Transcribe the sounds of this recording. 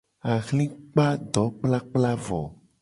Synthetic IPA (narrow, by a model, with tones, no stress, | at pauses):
a˨ɣlĩ˦k͡pa˦ɖɔ˨˦k͡pla˦k͡pla˦vɔ̰˨